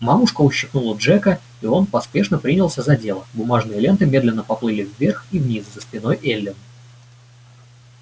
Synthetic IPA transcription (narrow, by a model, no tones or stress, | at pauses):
mamʊʂkəʊɕːɪxnulˠəʐɛkə | io̞npɐspʲe̞ʂnəpɾʲinʲɪlˠsʲəzɐdʲe̞lˠəbʊmaʐnɨjəlʲe̞nt̪ɨmʲe̞d̪lʲɪnːəpɐplˠɨlʲɪvːʲerxivnʲizzəspʲɪno̞jʔelʲːɪn